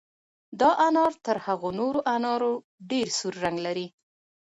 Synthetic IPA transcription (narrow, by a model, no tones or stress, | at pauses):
d̪ɑʔanɑɾt̪əɾhaɣonoɾoʔanɑɾo | ɖeɾsuɾːaŋɡlaɾi